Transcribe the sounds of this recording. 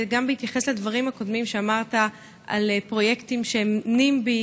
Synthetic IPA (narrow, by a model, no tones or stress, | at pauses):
ɡambehit̪jaχe̞sladvaʁ̞imhako̞dmimʃeamaʁta | ʔa̰lpʁo̞je̞ktimʃenimbi